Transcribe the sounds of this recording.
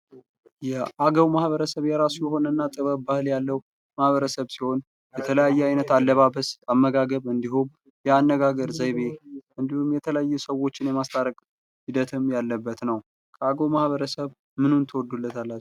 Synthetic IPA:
jɛʔaɡəwmahβəɾəsəβjɛɾasujɛho̞nənːat̪ʼɨβəβbahɨljalːəw | mahβəɾəsəβsiho̞n | jɛt̪ʰələjajːɛajnət̪alːəβaβəsamːəɡaɡəβɨnd̪iɦum | jɛanːəɡaɡəɾzəjβeʔɨnd̪ihumjɛt̪ʰələjajːɛsəwo̞t͡ʃːɪnjɛmast̪ʰʼaɾəkʼ | hid̪ət̪ʰɨmjalːəbːət̪nəw | kʰəaɡəwmahβəɾəsəβ | mɨnunt̪ʰəwɔd̪ːulːət̪ʰalːat͡ʃːɛ

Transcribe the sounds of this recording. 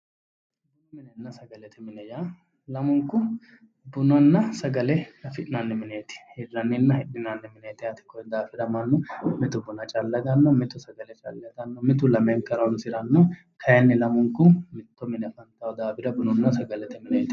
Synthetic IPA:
mɪnɛnːɐsɐɡɐlɛt̪ʰɪmɪnɛja | lɐmʊŋkːʊ | bʊnɔnːɐsɐɡɐlɛnɐfɪᶑɪnanːɛmɪneːt̪ɪ̥hɪrːɐnːɪnːɐhɪᶑːɪnaːnːɛmɪneːt̪ɪɐt̪ɪ̥kɔd̪aːfɪɾɐmɐnːɔmɪt̪ʊbʊnɐt͡ʃʼɐlːɐd̪ɐnːɔmɪt̪ːʊsɐɡɐlɛt͡ʃʼɐ̰lːɛd̪ɐnːɔmɪt̪ʊlɐmeŋkːɐɾɔnsɪɾɐnːɔ | kʰɐjɛnːɪlɐmʊŋkʊmɪt̪ːɔmɪnɛfɐnt̪ɐwɔd̪aːbɪɾɐbʊnɔnːɐsɐɡɐlɛt̪ɪmɪnɛt̪

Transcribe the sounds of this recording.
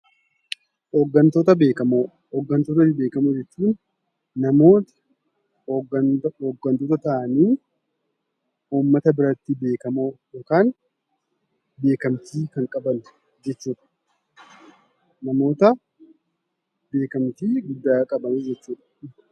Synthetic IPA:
ɔɡːɐnt̪oːt̪ɐbeːkɐmo | ɔɡɐnt̪oːt̪ɐɪbeːkɐmod͡ʒɛt͡ʃːuːnː | ɐmoːt̪ɐ̥ | oɡɐnt̪oːt̪ɐt̪ɐʔɐniː | uːmːɐt̪ɐbɪɾɐt̪ːɪbe̞ːkɐmojokaːn | be̞ːkɐmt̪iːkɐŋkʼɐbɐn | d͡ʒɛt͡ʃːuːᶑɐ̥ | nɐmo̞ːt̪ɐ | be̞ːkɐmt̪iːɡʊd̪ːaːkʼɐbɐniːd͡ʒɛt͡ʃːuːᶑɐ̥

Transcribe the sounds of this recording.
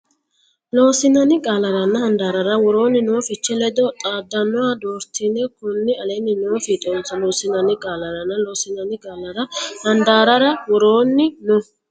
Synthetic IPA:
lo̞ːsɪnɐnɪɡʼaːlɐɾɐnːɐhɐnd̪aːɾɐɾɐwɔɾo̞ːnːɪnoːfɪt͡ʃːɛlɛd̪ɔt̪ʼaːd̪ːɐnːɔwaːd̪oːɾt̪ɪnɛkʊnːɪɐlɛnːɪnoːfɪt̪ʼɔnsɐloːsɪnɐnɪɡʼaːlɐɾɐnːɐloːsɪnɐnɪɡʼaːlɐɾɐhɐnd̪aːɾɐɾɐwɔɾoːnːɪnɔ

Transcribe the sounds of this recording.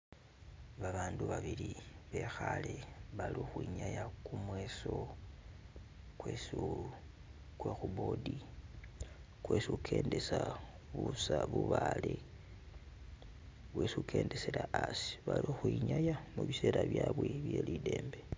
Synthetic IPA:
βaβaːnduβaβiliβe̞xaleβalixwiɲajakumwe̞so̞ | kwesu | kwexubo̞di | kwesukʰe̞ːndesa | βusaβuβale | wesukʰe̞ːndeselaʔasi̥βalixwiɲajamuβise̞ːɾaβjaβweβje̞lide̞ːmbe

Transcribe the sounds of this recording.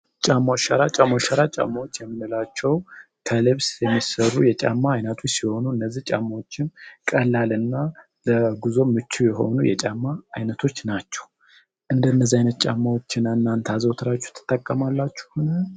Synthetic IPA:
t͡ʃʼamːaʃaɾat͡ʃʼamːaʃaɾat͡ʃʼa̰mːawot͡ʃːjɛmːɨnɨlat͡ʃːɛw | t̪ʰəlɨβsjɛmːisərːujɛt͡ʃʼa̰mːaːjnət̪ʰot͡ʃːsiho̞nuɨnːəzːiht͡ʃʼa̰mːawo̞t͡ʃːɪnkʼəlːalɨnːa | ləɡuzo̞mːɨt͡ʃːujɛɦo̞̰nujɛ̰t͡ʃʼamːaːjnət̪ʰo̞t͡ʃːnat͡ʃːɛ̥w | ʔɨnd̪əɨnːəzːiajnət̪t͡ʃʼamːawot͡ʃːɪnaɨnːant̪ʰazəwt̪ʰɨɾat͡ʃːu̥t̪ʰɨ̥t̪ʼːəkʼːəmalːat͡ʃːɛ̥honə

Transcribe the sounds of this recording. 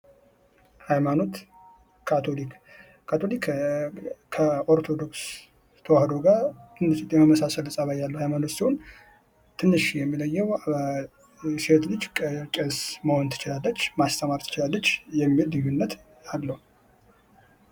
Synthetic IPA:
hajmano̞t̪ʰ | at̪ʰolik | kʰːat̪ʰo̞lik | kʰəʔo̞ɾt̪ʰo̞d̪o̞ks | t̪ʰəwahd̪oɡaɾt̪ʰɨnːɨʃit̪ʼjɛməməsasəlɨsʼəβajalːəwhajmano̞t̪sihun | t̪ʰɨnːɨʃjɛmːiləjːɛw | siet̪lɨd͡ʒkʼt͡ʃʼəsməho̞nt̪ʰɨ̥t͡ʃɪlalːət͡ʃːmast̪ʰəmaɾt̪ʰɨt͡ʃɪlalːət͡ʃːjɛmːilːɨjːunːət̪ | alːəhu

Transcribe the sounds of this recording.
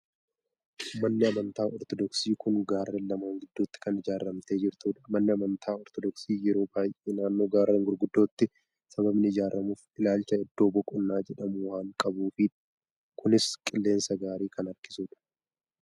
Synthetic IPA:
mɐnːɪɐmɐnt̪aːɔɾt̪ɔd̪ɔksiːkʊŋɡaːrːenlːɐmaːŋɡɪd̪ːuːt̪ːɪ̥kɐnɪd͡ʒaːrːɐmt̪e̞ːd͡ʒɪɾt̪uːᶑɐ̥mɐnːɪɐmɐnt̪ʰaːɔɾt̪ɔd̪ɔksiːjɛɾo̞ːbaːjʔeːnaːnːoːɡaːɾrːeːŋɡʊɾɡʊd̪ːoːt̪ːɪ | sɐbɐbnɪɪd͡ʒaːrːɐmuːfɪlaːlt͡ʃɐɛd̪ːo̞ːbɔkʼʊnːaːd͡ʒɛᶑɐmʊwaːŋkʼɐbuːfɪ | kʰʊnɪskʼɪlːe̞ːnsɐɡaːɾiːkɐnɐɾkɪ̥suːᶑɐ̥

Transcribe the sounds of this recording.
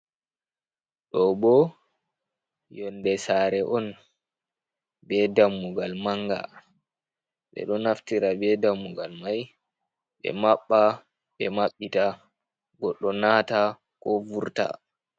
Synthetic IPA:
ɗɔbɔ | jɔndɛsaːɾɛʔɔn | bɛdamːuɡalmaŋɡa̰ | ɓɛ̰ɗɔnaftiɾabɛdamːuɡalmaj | ɓɛ̰maɓːa | ɓɛmaɓːita | ɡɔɗːɔnata | kɔvuɾta̰

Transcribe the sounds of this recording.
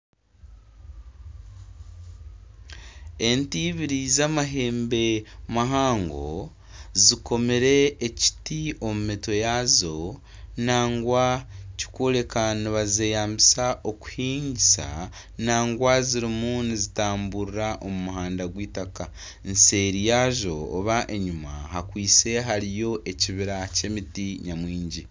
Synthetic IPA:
e̞ntiːβiɾizamaɦe̞ːmbe̞maɦaːŋɡo̞̰ | ziko̞meɾe̞ːci̥tio̞mumiːto̞jazo̞ | naːŋɡwaci̥kole̞kaniβaze̞jaːmbisaʔoku̥hiːɲɟisa̰ | naːŋɡwaziɾimunizitaːmbuɾiɾaʔomumuɦaːndaɡwiːtaka | nse̞ɾijaʒo̞ːβaʔe̞ɲuma̰hakwiːt͡se̞ɦaɾijo̞ʔe̞ciβiɾace̞mitiɲamwiːɲɟi

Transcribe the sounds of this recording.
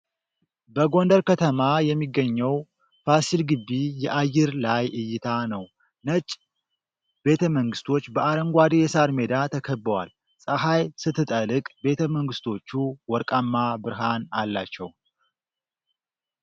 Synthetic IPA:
bəɡo̞nd̪əɾkʰət̪ʰəmajɛmːiɡːəɲːɛw | fasilɡɨbːijɛʔajːɪɾlajʔɨjɪt̪ʰanəw | nət͡ʃʼ | b̥e̞t̪ʰəməŋɡɨst̪ʰo̞t͡ʃːbəʔaɾəŋɡʷad̪ejɛsaɾme̞d̪at̪ʰəkʰəbːəwa̰l | sʼəɦajsɨt̪ʰːɨt̪ʼəlɨkʼbe̞t̪ʰəməŋɡɨst̪ʰo̞t͡ʃːuwɔɾkʼamːabɨɾɦanalːat͡ʃːɛ̰w

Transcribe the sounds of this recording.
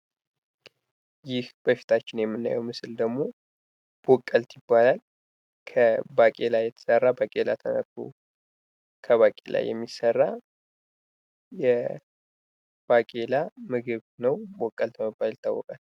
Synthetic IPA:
jɪhb̥əfi̥t̪ʰat͡ʃːɪnjɛmːɨnːa̰jɛwmɨsɨld̪əɡmo̞ | b̥okʼːəlt̪ʰjɪbːalal | kʰəbakʼe̞lajɛt̪ʰə̥sərːabakʼe̞la̰t̪ʰənə̰kːṵ | kʰəβakʼḛla̰jːɛ̰mːisərːa | jɛ | b̥akʼe̞lamɨɡɨβnəwbokʼːəlt̪ʰəməbːalɪt̪ʰːa̰wːɔkʼal

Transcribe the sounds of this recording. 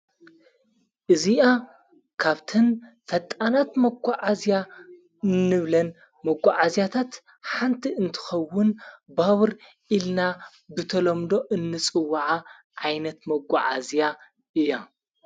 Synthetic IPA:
ʔɨziʔa | kʰaβt̪ʰɨnfɐt̪ʼanat̪mɐɡʷaʕazja | ɨnːɨβlɐn | mɐɡʷaʕazjat̪ʰat̪ | ħant̪ʰiɨnt̪ʰɨ̥xɐwːʊnbaβɨɾ | ʔilna | bɨt̪ʰɐlomd̪o̞ʔɨnːɨt͡sʼɨwːaʕa | ʕajnɐt̪mɐɡʷaʕa̰zja | ʔɨja

